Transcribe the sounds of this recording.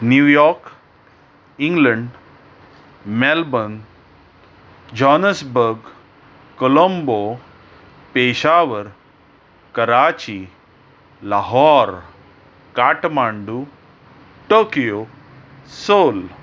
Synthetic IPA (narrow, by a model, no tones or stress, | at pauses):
njujɔɾk | iŋɡləɳɖ | mɛlbən | d͡ʑɔnəsbəɾɡ | kolombo | peɕaʋəɾ | kəɾat͡ɕi | laɦɔɾ | kaʈmaɳɖu | ʈokijo | soːl